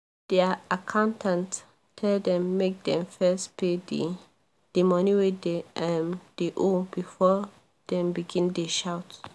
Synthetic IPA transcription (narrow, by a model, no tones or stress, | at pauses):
d̥ɛakʰãʊ̃ntãnt | tʰɛldɛ̃mːek̚dɛ̃mfɛspʰedi | d̥emɔniwideɛmd̥eʔobifɔ | d̥ɛ̃mbiɡĩndeʃaʊt